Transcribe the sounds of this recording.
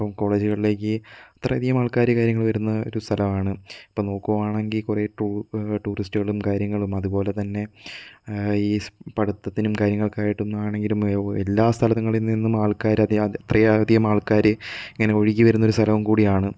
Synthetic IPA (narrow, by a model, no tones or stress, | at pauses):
pːɐmko̞ːɭe̞ːd͡ʑuɣɐɭile̞ːkʲːɨɐt̪rɐɐd̪ijɐmaːɭkaːɾɐkaːɾjɐŋːɐɭʋɐɾunːɐo̰ɾust̪ʰɐlɐmaːɳɨɐpːoːno̞ːkːuʋɐmaːɳeŋɡilkureʈuʈuːristuɣɐɭumkaːɾjɐŋːɐɭumɐðupo̞ːle̞t̪ɐnːe̞ | iːpɐɽut̪ːɐt̪ːinumkaːɾjɐŋːɐɭkaːjiʈːunːuaːɳe̞ŋɡilumḛlːaːst̪ʰɐlɐðɐŋːɐɭilninːumaːɭkaːɾɐɐt̪rɐjɐd̪ijɐmaːɭkaːɾɨiŋːɐne̞o̞ɻikʲːiʋɐɾunːɐo̞ɾust̪ʰɐlɐʋumkuːɽijaːɳɨ